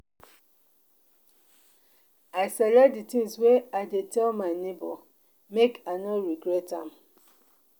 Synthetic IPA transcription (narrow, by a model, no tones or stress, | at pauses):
aɪsɛlɛditĩŋsweaɪdetʰɛlmaɪnebɔ̰ | mekanɔɹiɡɹɛtãm